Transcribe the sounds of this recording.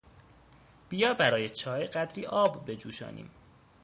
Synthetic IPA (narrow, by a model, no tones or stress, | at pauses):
b̥ijɒːbæɾɒːjet͡ʃʰɒːeɢæd̪ɾiːʔɒːbːe̞d͡ʒuːʃɒ̰ːnʔḭːm